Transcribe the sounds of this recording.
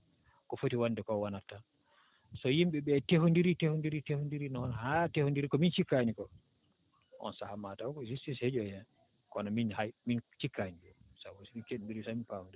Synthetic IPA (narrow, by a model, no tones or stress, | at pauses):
kɔfotiwandɛkɔwanatːa | sɔjimɓɛɓɛtehundiɾitehundiɾitehundiɾinɔnhatehundiɾikɔmint͡ʃikːanikɔ | ʔɔ̰nsahamatawkɔzistished͡ʒɔjɛ | kɔnaminhajmint͡ʃikʰːaniɡɔsahosimikeɗndiɾisaminpawundɛ